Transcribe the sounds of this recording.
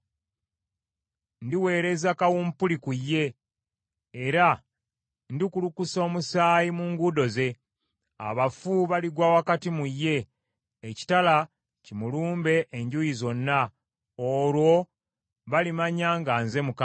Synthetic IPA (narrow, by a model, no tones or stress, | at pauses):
ndiwe̞ːɾe̞zakawumpulikujːe̞ | ɾa | ndikulukuso̞ːmusaːjimuŋɡudo̞ze̞ | a̰βafuβaliɡwawakatimujːe̞ː | ci̥tala | cimuluːmbe̞ʔːɲɟujizo̞nːa | oːlwo̞ | βalimaɲaːŋɡanze̞muka